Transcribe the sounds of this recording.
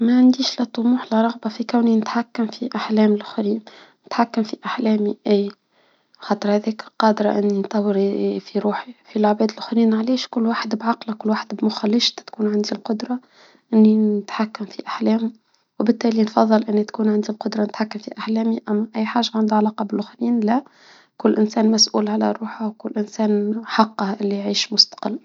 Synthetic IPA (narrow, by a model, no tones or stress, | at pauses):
mæʕand̪iːʃlæt̪ˤːʊmuːħlɪɾˤɑɣbɑfikawninɪt̪ħakːamfiʔaħlɛːmɪlʔxɾiːn | nɪt̪ħakːamfiʔaħlɛːmiʔæː | xɑːt̪ˤəɾhæðɛːkqɑːd̪ɾˤɑ̰ʔɪnːint̪ˤɑwːəɾfiɾuːħifilʕbɛːd̪ɪlʔxɾiːnʕlɛːʃkʊlːwaːħəd̪bʕɑqlakʊlːwaːħəd̪bmʊxælːɪʃt̪t̪kuːnʕand̪ilqʊd̪ɾˤɑ | ʔɪnːinɪt̪ħakːamfiʔaħlɛːm | wbɪt̪ːɛːlinfɑðˤːɨlʔɪnːit̪kuːnʕand̪ilqʊd̪ɾˤɑnɪt̪ħakːamfiʔaħlɛːmiʔæmːæʔæjːħaːʒaʕand̪ʕalɑːqɑbɪlʔʊxɾiːnlæ | kʊlːʔɪnsɛːnmæsʔṵːlʕalæ̰ɾˤuːħawkʊlːʔɪnsɛːnħɑqːɑʔɪlːijʕiːʃmʊst̪ḁqə̰lː